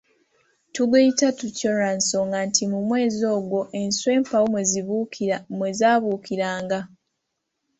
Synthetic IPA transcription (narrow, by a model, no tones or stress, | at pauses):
tuɡeitatucoɾanso̞ŋɡantʰimumwe̞ːzo̞ːɡwo̞ʔe̞nswe̞ːmpawomweziβumwezaːβuːkʰiɾaːŋɡa